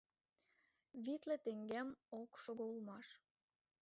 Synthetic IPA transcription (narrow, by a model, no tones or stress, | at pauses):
βit̪lĕt̪eŋɡemokʃoɣoulmɑʃ